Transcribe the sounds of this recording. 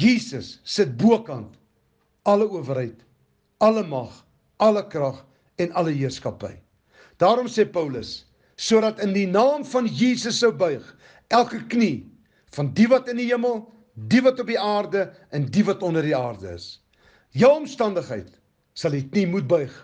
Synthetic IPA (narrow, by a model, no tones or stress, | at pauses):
jiːsəsːət̚buəkɐnt | ɐləuəvərɦəjt | ɐləmɐχ | ɐləkrɐχ | ɛnɐləɦiərskɐpə̰j | d̥ɑːɾɔmseːpœwləsː | uəɾɐtəndinɑːmfɐnjiːsəsːəwbœɥχ | ʔælˠkəkni | fɐndivɐtəndiɦiəməlˠ | divɐtɔp̚diɑːrdə | ɛndivɐtɔndərdiɑːrdə̰ə̰s | jɐwɔmstɐndəχɦə̰jt | sɐlˠiknimut̚bœɥχ